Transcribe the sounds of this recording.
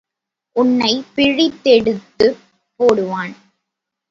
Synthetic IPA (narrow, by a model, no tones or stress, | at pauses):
ʔʊnːɐɪpɪɻɪt̪ːɛɽɯt̪ːɯ | poːɽɯʋaːn